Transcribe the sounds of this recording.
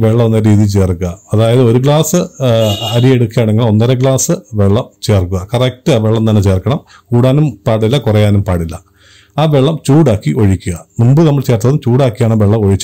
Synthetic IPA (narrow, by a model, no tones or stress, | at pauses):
ʋeɭːɐmonːɐɾiːðijt͡ɕe̞ːrkuɣɐɐðaːjɐðɨo̞ɾuk̬ɭaːsɨ | ɐɾieɽukːaːɳeŋːɐɭo̞nːɐɾɐk̬ɭaːsɨʋe̞ɭːɐmt͡ɕe̞ːrkːuɣɐkɐrek̚tɨaːʋe̞ɭːɐmt̪ɐnːet͡ɕe̞ːrkːɐɳɐm | kuːɽaːnumpaːɽilːɐkurɐjaːnumpaːɽilːɐ | aːʋe̞ɭːɐmt͡ɕuːɽaːkːiʔo̞ɻikʲːuɣɐmumbɨnɐmːɐɭt͡ɕe̞ːrt̪ːɐðumt͡ɕuːɽaːkːijaːɳɐʋe̞ɭːɐmo̞ɻit͡ɕː